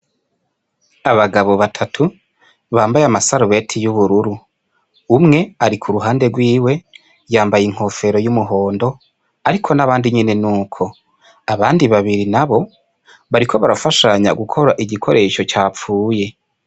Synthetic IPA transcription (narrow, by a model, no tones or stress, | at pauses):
aβaɡaβo̞βatʰatʰu | βaːmbajamasaɾuβe̞tʰijuβuɾuɾuː | mŋe̞aɾikʰuɾuɦaːnde̞ɡwiːwe̞ | jaːmbajiŋ̥ho̞fe̞ɾo̞jumuɦo̞ːndo̞ | aɾikʰo̞naβaːndiɲine̞nuːkʰo̞ | aβaːndiβaβiɾinaβo̞ | βaɾikʰo̞βaɾafaʃaɲa̰ɡukʰo̞ɾaʔiɟikʰo̞ɾʔe̞ʃo̞t͡ʃaːp͡fuːje̞